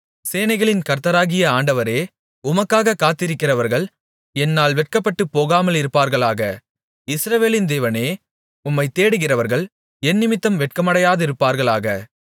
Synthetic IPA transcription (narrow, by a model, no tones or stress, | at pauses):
seːnɐɪɣɐɭɪnkɐɾt̪ɐɾaːɣɪjɐaːɳɖɐʋɐɾeː | ʊmɐkːaːɣɐkaːt̪ɪɾɪkːɪrɐʋɐɾɣɐɭ | ɛnːaːlʋɛʈ̚kɐpːɐʈːɯpːoːɣaːmɐlɪɾɯpːaːɾɣɐɭaːɣɐ | ɪsɾɐʋeːlɪnd̪eːʋɐneː | ʊmːɐɪt̪eːɽɯɣɪrɐʋɐɾɣɐɭ | ɛnːɪmɪt̪ːɐmʋɛʈ̚kɐmɐɽɐjaːðɪɾɯpːaːɾɣɐɭaːɣɐ